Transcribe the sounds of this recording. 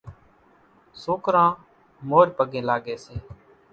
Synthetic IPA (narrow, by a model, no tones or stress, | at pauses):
soːkɾãː | moːɾpəɡẽːlaːɡeːseː